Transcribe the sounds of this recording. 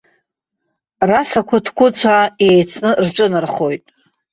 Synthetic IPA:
rasakʷʰʊdʰkʷʊt͡sʷʰaejt͡sʰnɨrʈ͡ʂʷʼɨnɨrχo̞jtʼ

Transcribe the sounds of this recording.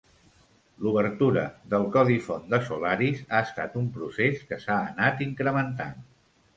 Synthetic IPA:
luβəɾt̪uɾəðəlˠkɔðifond̪əsulaɾizaəst̪a̰t̪umpɾuseskəsaənat̪iŋkɾəmənt̪a̰n

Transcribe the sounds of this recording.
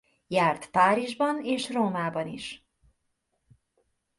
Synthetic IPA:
jaːrt̪paːɾiʒbɒneːʃroːmaːbɒnḭʃ

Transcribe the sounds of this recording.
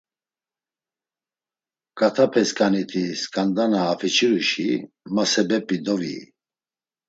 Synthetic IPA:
kʼat̪ʰapʰɛskʼanit̪ʰiskʼand̪anaːpʰɛt͡ʃʰʼiɾuʃi | masɛbɛpʼid̪ɔvḭ

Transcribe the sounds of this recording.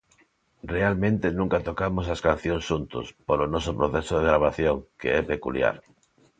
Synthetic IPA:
realmẽnt̪enũŋkat̪okamos̬askan̟θjoŋsʃunt̪ʊ̰spolonɔsʊpɾoθɛsoðeɣɾaβ̞aθjoŋkḛɛpekṵlja̰ɾ

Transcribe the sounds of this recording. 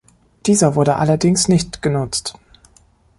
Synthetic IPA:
d̥iːzɐvʊɐɾəʔalɐdɪŋsnɪçtɡ̥ənʊt͡st

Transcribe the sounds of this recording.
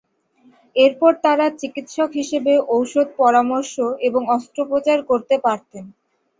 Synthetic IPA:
eɾpɔɾt̪aɾat͡ɕikit̪ʃɔkɦiʃebeʔowʃod̪̚pɔɾamɔɾʃoeboŋɔst̪ɾopɾot͡ɕaɾkoɾt̪epaɾt̪en

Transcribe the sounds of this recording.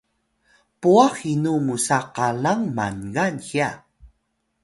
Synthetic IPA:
puaxinumusaqalaŋma̰nɡanxia

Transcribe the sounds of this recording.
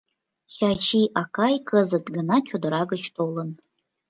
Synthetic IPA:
ʃat͡ʃʰiʔakʰajkʰəzɨdɡɨnat͡ʃʰodɨɾaɡət͡ʃʰtʰʼowlən

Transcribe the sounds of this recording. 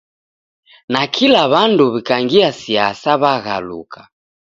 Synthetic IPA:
nakʰilaβanduβikaŋɡiasiasaβaɣa̰lṵkʰḁ

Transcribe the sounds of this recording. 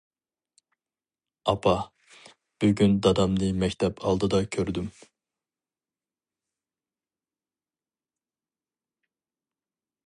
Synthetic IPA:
ɑpʰɑ | b̥yɡʲynd̪ɑd̪ɑmlˠɨmɛcʲt̪ʰɛpʰɑlˠd̪ɯd̪ɑkʲʰøɾd̪ym

